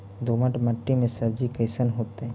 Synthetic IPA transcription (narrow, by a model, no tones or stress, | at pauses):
d̪oːməʈmɐʈːimẽsɐb̚d͡ʒikəɪsənɦoːt̪eɦɛ̃